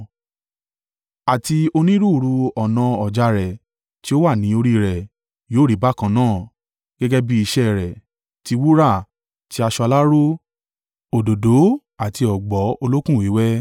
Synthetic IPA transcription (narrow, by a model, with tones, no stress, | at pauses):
a˨ti˧o˧nĩ˦ɾu˦˨ɾu˧ɔ˨nã˧ɔ˨d͡ʒa˧ɾɛ˨ | ti˦o˦wa˦˨nĩ˨˦o˧ɾi˦ɾɛ˨ | joː˨˦˨ɾi˨˦ba˦˨kã˧nãː˦˨ | ɡ̥ɛ˦ɡɛ˦bi˦i˧ʃɛ˦˨ɾɛ˨ | ti˧wu˦ɾa˦˨ | ti˧˦a˧ʃɔ˧a˧la˦ɾo˦ | o˨do˨do˨˦ | a˨ti˧ɔ˨ɡ͡bɔ˨˦o˧lo˦kũ˦˨wi˨˦wɛ˦